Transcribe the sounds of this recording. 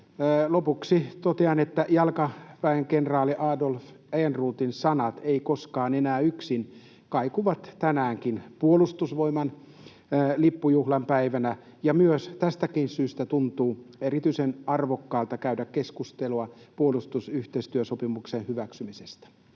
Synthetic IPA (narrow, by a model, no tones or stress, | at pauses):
lopuksit̪ot̪eɑnet̪ːæjɑlkɑpæiŋkenrɑːliʔɑːdolf | æjenruːt̪insɑnɑt̪eikoskɑːnenæːyksin | kɑikuʋɑt̪t̪ænæːŋkinpuolust̪usʋoimɑn | lipːujuhlɑmpæiʋænæ | jɑmyøst̪æst̪ækinsyːst̪æt̪unt̪uːerit̪yisenɑrʋokːɑːlt̪ɑkæydækkeskust̪eluɑpuolust̪usyht̪eist̪yøsopimuksenhyʋæksymisest̪æ̥